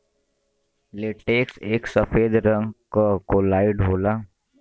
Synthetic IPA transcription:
leʈeːkseːksəfeːd̪ɾə̃ŋɡkakolaːiɖʱɦoːla

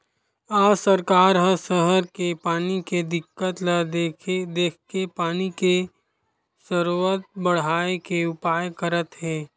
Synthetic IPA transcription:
aːsɐɾkaːɾɦɐsəɦəɾkepaːniked̪ɪkːət̪lɐdd̪eːkʰkepaːnike | səɾwət̪̚bɐɽ̤aːekeʊpaːjkəɾət̪ɦɛ̃ː

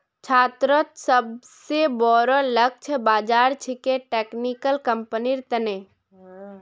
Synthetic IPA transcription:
t͡ʃʰaːt̪ɾət̪səbsebɔːɾələk̚t͡ʃʰbaːd͡ʒaːɾt͡ʃʰikeʈeːknikəlkəmpəniɾt̪əne

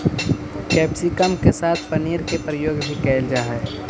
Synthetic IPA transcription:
kɛːpsikəmkesaːt̪ʰpəniəɾkepɾəjoːɡbʱikɛːld͡ʒaːɦɛː

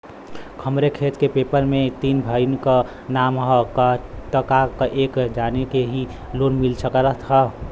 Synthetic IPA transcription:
kʰəmɾekʰet̪kepepəɾmet̪iːnbʱəɪnkə | namɦəkaʈəkakʔekd͡ʒanekeɦi | loːnmilsəkəɾət̪ɦə

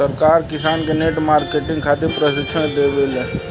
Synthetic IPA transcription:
əɾkaːɾkɪsaːnkeneʈmaːɾkeʈɪ̃ŋɡkʰaːt̪epɾəʃɪkʃʰənd̪ebele

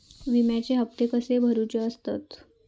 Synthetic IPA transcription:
ʋimjat͡ɕeɦəp̚t̪ekəsebʱəɾut͡ɕəəst̪at̪

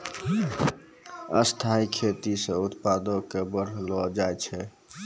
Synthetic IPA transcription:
ə̰st̪ʰaikʰet̪isə̃ut̪pad̪okebəɾlɔd͡ʒajt͡ʃʰɛ

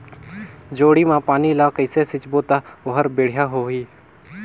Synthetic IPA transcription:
d͡ʒoːɽiːmãːpaːniːlaːkəɪseːsɪt͡ʃboːt̪aːʊɦəɾbeːɽ̤jaːɦoːɦiː

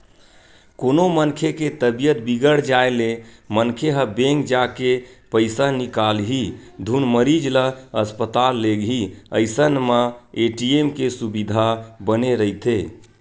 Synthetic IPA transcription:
konomənkʰeket̪əbijət̪̚biɡəɽ̤d͡ʒaelemənkʰeɦəbeŋɡd͡ʒakepəɪsanikalɦid̪ʱunməɾid͡ʒləəspət̪alːeɡɦiəjsənməeʈiemkesubid̪ʱabəneɾət̪e

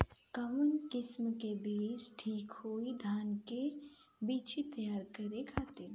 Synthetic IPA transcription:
kamənkɪsmkebiːsʈʰiːkhoːid̪ʱaːnke | biːt͡ʃit̪əjaːɾkəɾekʰaːt̪e

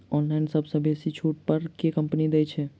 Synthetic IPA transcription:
ɔnlaɪnsəbʱsə̃besit͡ʃʰuʈ̚pəɾkekəmpnid̪ɛt͡ʃʰɛ

